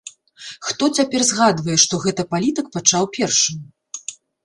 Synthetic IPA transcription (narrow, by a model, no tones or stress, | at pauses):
xt̪ɔt͡sʲapʲɛrzɣad̪vɐjɛʂt̪ɔɣɛt̪ɐpalʲit̪ɨk̚pat͡ʂawpʲɛrʂɨm